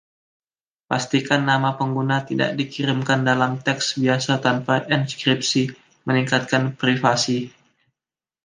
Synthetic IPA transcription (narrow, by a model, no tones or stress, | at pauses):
past̪ikanːamapəŋɡunat̪ida̰ʔ̚dikiɾimkandalamt̪ɛksbiasat̪anpaʔɛnskɾip̚si | məniŋkat̪̚kanpɾifasi